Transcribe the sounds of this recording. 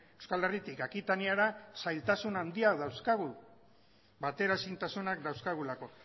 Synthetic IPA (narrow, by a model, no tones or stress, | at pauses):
ewskalerit̪ikakit̪aniaɾasajlt̪asunand̪iaðawskaɣu | bat̪e̞ɾasint̪asunakd̪awskaɣ̞ulako̞